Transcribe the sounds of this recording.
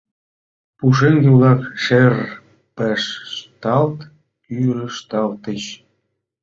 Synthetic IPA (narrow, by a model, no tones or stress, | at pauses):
puʃ̬eŋɡelɑkʃer | peʃːt̪ɑlt̪ | yɾəʃt̪ɑlt̪əɕ